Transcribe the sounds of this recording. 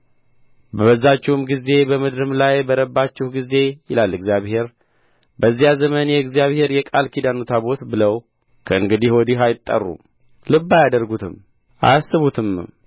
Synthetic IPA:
bəəzːat͡ʃːɛwumɡize̞bəmɨd̪ɾɨmlajbəɾəbːat͡ʃːɪhɡize̞jɪ̰lalːɨɡzjaβhe̞ɾ | bəzːijazəmənjɛɨɡzjaβhe̞ɾjɛkʼalkʰid̪anot̪ʰabo̞t̪bɨləw | kʰəɨŋɡɨd̪ihwɔd̪iɦajɪt̪ʼːə̰rːṵ | lɨbːajad̪əɾɡut̪ʰɨm | ʔa̰sːɨβut̪ʰɨm

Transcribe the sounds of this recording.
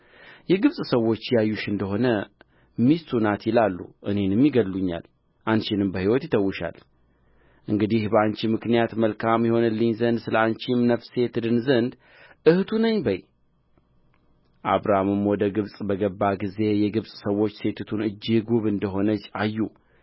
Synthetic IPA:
jɛɡɨβsʼsəwo̞t͡ʃːjajːuʃɨnd̪əɦo̞nə | mist̪ʰunat̪jɪlalːṵʔɨne̞nɨmːjiɡəlluɲːa̰l | ʔanʃɪnɨmbəhiwɔt̪jɪt̪ʰəwːɨʃa̰l | ʔɨŋɡɨd̪ihbəant͡ʃimɨknijat̪məlkʰamjɛho̞nɨlːɨɲzənd̪sɨləant͡ʃimnəfse̞t̪ʰɨd̪ɨnzənd̪ | ʔɨht̪ʰunəɲbəj | ʔa̰βɾahmɨmwɔd̪əɡɨβsʼbəɡəbːaɡize̞jɛɡɨβsʼsəwːo̞t͡ʃːse̞t̪ʰt̪ʰunɨd͡ʒːɪɡuβɨnd̪əɦo̞nət͡ʃːajːu

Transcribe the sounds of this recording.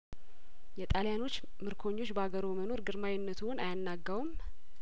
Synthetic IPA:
jɛt̪ʼaljano̞t͡ʃː | mɨɾkʰo̞ɲːo̞t͡ʃːbəaɡəɾoməno̞ɾɡɨɾmajɪnːət̪ʰuwnajanːaɡːawum

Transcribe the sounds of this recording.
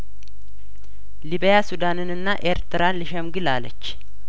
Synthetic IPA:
libjasud̪anɨnɨnːaʔeɾt̪ʰɨɾanlɨʃɛmɡɨlalə̰t͡ʃː

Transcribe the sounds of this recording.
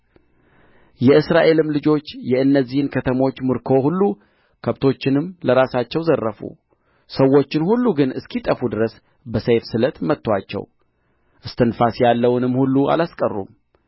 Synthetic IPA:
jɛɨsɾaʔe̞lɨmlɨd͡ʒo̞t͡ʃːjɛʔɨnːəzːihɨnkʰət̪ʰəmo̞t͡ʃːmɨɾkʰo̞hulːu | kʰəβt̪ʰo̞t͡ʃːɪnɨmːləɾasat͡ʃːɛwzərːəfṵ | səwːo̞t͡ʃːɪnhulːuɡɨnɨskit̪ʼəfud̪ɨɾəs | bəsejfsɨlət̪mət̪ːwa̰t͡ʃːɛ̰w | ʔɨst̪ʰɨnfasjalːəwnɨmːhulːuʔa̰laskʼərːṵm

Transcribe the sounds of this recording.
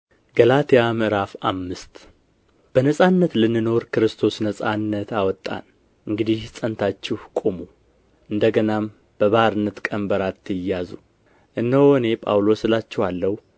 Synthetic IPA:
ɡəlat̪ʰejamʔɨɾafamːɨst̪ | b̥ənəsʼanːət̪lɨnːɨno̞ɾkɨɾɨst̪ʰo̞snəsʼanːət̪awɔt̪ʼːa̰n | ʔɨŋɡɨd̪ihsʼənt̪ʰat͡ʃːɪhkʼomu | ʔɨnd̪əɡənam | b̥əβəhaɾɨnːət̪kʼənbəɾat̪ʰːɨjːazu | ʔɨnːəwɔne̞pʼa̰wlo̞sɨlat͡ʃːɛwalːəhu

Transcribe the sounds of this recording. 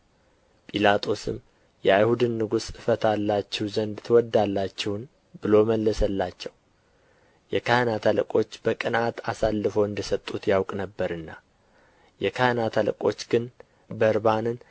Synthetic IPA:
pʼilat̪ʰo̞sɨ̰m | jɛajhud̪ɨnːɨɡusɨfət̪ʰalːat͡ʃːɛwzənd̪t̪ʰəwɔd̪ːalːat͡ʃːɛhn | bɨlo̞məlːəsəlːat͡ʃːɛw | jɛkʰajnat̪ʰaləkʼo̞t͡ʃːb̥əkʼɨnat̪asalːɨfowɨnd̪əsət̪ʼːut̪jawkʼnəbːəɾɨnːa | jɛkʰajnat̪ʰalə̰kʼo̞t͡ʃːɡ̥ɨn | bəɾbanɨn

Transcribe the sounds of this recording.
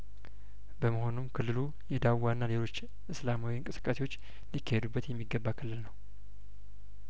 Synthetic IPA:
bəməho̞numkʰɨlːɨlu | jɛd̪awːanːale̞lo̞t͡ʃː | ʔɨslamawiɨŋkʼɨsɨ̥kʼːasewo̞t͡ʃː | likʰːəhed̪ubːət̪jɛmːiɡəbːakʰɨlːɨlnəw

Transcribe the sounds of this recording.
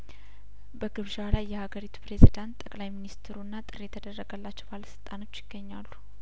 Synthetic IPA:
bəɡɨβʒalajːɛhaɡəɾit̪ʰu̥pɾe̞zid̪ant̪ʼːəkʼlajminist̪ʰɨɾunːat̪ʼɨɾjɛt̪ʰəd̪ərːəɡəlːat͡ʃːɛwbaləsɨlt̪ʼano̞t͡ʃːjɪɡ̥ːəɲːalːu

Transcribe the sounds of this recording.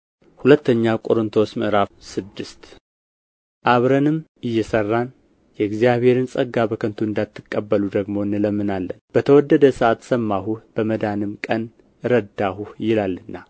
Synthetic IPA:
hulət̪ʰːəɲːakʼoɾɨnt̪ʰo̞sməʔɾafsɨd̪ːɨst̪ | ʔaβɾənɨmɨjːɛsərːan | jɛɪɡzijaβhe̞ɾɨnsʼəɡːabəkʰənt̪ʰuɨnd̪at̪ʰːɨkʼːəbːəlud̪əɡmo̞ɨnːɨləmːɨnalːənb̥ət̪ʰəwɔd̪ːəd̪əsəʔat̪səmːaɦuhb̥əməd̪anɨmkʼən | ɨɾəd̪ahuhjɪlalːɨnːa

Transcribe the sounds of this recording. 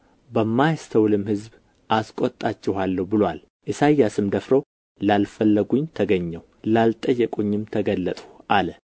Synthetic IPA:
bəmːajst̪ʰəwlɨmhɨzb | ʔaskʷʼot̪ʼːat͡ʃːɪhalːəhwbɨlowal | ʔɨsajːasɨmd̪əfɾo | lalfəlːəɡuɲt̪ʰəɡəɲːɛw | lalt̪ʼəjːɛkʼoɲːɪmt̪ʰəɡəlːət̪ʼu̥ʔalə

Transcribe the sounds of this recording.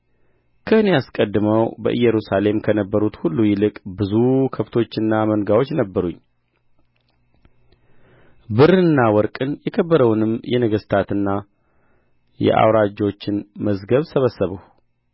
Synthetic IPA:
kʰəɨne̞askʼəd̪ːɨməwbə̰ʔɨ̰jːɛɾusale̞mkʰənəbːəɾut̪hulːujɪlɨkʼbɨzukʰəft̪ʰo̞t͡ʃːɨnːaməŋɡawot͡ʃːnəbːəɾuɲː | bɨɾɨɨnːawɔɾkʼɨnjɛkʰəbːəɾəwnɨmjɛnəɡəst̪ʰat̪ɨnːa | jɛ̰ʔa̰wɾad͡ʒo̞t͡ʃːɪnməzɡəβsəβəsːəβəw

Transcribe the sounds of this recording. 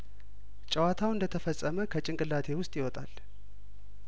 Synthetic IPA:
t͡ʃʼəwat̪ʰawɨnd̪ət̪ʰəfəsʼːəməkʰət͡ʃʼɪŋkʼɨlːat̪ʰe̞wʊst̪ʼjɪwɔt̪ʼal

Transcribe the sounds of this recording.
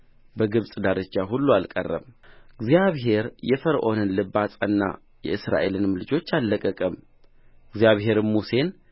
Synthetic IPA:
bəɡɨβsʼd̪aɾɨt͡ʃːaɦulːualkʼə̰rːə̰mɨɡzijaβɦe̞ɾjɛfəɾʔo̞nɨnlɨbasʼənːa̰ | jɛ̰ʔɨsɾa̰ʔe̞lɨnmɨlɨd͡ʒo̞t͡ʃːalːəkʼːəkʼəm | ɨɡzjaβɦe̞ɾɨmuse̞n

